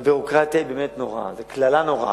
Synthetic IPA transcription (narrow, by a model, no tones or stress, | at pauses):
byʁokʁat̪ibemet̪noʁa̰zeklalanoʁa̰